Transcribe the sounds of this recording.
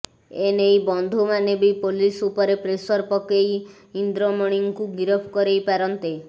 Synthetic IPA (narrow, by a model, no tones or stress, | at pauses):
enejbɔnd̪ʱumanebejpolisupɔɾepɾesɔɾpɔkej | ind̪ɾɔmɔɽ̃iŋkuɡiɾɔpʰkɔɾejpaɾɔnt̪e